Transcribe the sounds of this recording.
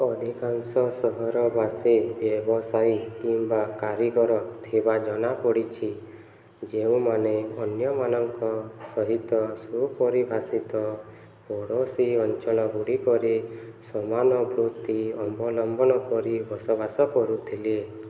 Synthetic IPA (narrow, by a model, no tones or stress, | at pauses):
ɔd̪ʱikansɔsɔɦɔɾɔbasebjɔbɔsajkimbakaɾiɡɔɾɔt̪ʰibad͡ʒɔnapɔɽit͡ʃʰi | d͡ʒeũmaneɔnjɔmanɔŋkɔsɔɦit̪ɔsupɔɾibʱasit̪ɔ | bɔɽosiɔnt͡ʃɔlɔɡuɽikɔɾisɔmanɔbɾut̪iɔmbɔlɔmbɔnɔkɔɾibɔsɔbasɔkɔɾut̪ʰile